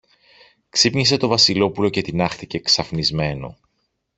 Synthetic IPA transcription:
ksipɲis̬e̞t̪o̞vɐsilo̞pulo̞ce̞t̪inɐxθice̞ksɐfnizme̞no̞̰

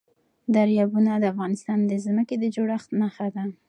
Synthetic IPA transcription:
d̪aɾjɑbunad̪əafɣɑnɪst̪ɑnd̪əzməked̪əd͡ʒoɽaxt̪naxad̪a

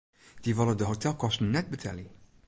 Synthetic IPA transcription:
d̥iʋɑlˠədəɦotɛlˠkɔstənɛd̚bətʰɛ̰li

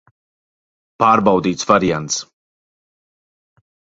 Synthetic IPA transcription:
paːɾbawd̪iːt̪svaɾijant̪s

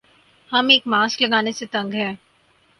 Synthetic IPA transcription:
hɐmeːkmaːsklɐɡaːneset̪ɐ̃ŋɡɦɛ̃ː

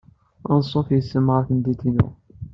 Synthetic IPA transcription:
ɑnsˤːofjəsːəmʁaθənd̪it̪inʊ̰ʁ

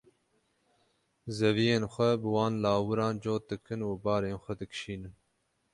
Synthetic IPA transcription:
zɛvijeːnxʷɛbɨwɑːnlɑːwɨɾɑːnd͡ʒoːt̪̚d̪ɨkʰɨnuːbɑːɾeːnxʷɛd̪ɨkʃiːnɨn

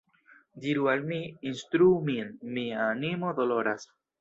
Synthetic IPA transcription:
diɾualmiinst̪ɾumienmiaːnimo̞d̪o̞lo̞ɾas

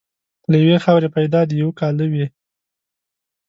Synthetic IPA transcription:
lajawexawɾepajd̪ɑd̪ijawkɑlnəwi

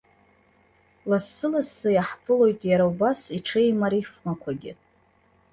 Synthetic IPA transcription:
lasːɨlasːajaħpʰɨlo̞jtʼjaɾaubasiʈ͡ʂʰejmaɾifmakʷʰaɡʲɪ

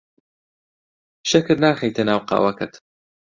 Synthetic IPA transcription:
ʃɐkɨɾnaːxɛjt̪ʰɨnaːwqɑ̰wɐkɨt̪

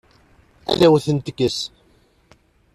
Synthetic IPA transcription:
æ̰ðæwθənt̪əkːəs

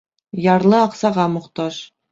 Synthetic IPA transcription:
jɑɾlˠɤɑqsɑʁɑmŏqt̪ɑʃ

